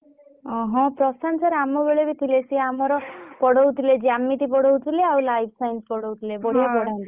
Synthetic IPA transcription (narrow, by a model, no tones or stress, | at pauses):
ɔ̃ɦɔ̃pɾɔsansaɾamɔbeɭebit̪ʰilesiamɔɾɔpɔɽɔwt̪ʰiled͡ʒamːiʈ̪ipɔɽɔwt̪ʰileawlajp̚ʰsajnspɔɽowt̪ʰilebɔɽijabɔɽ̤ant̪i